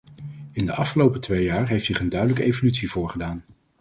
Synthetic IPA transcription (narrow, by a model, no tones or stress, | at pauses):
ɪndəʔɑfχəlowpətʋejaːɹɦejftsɪχəndœɥdələkəejvolytsivʊːɹχədaːn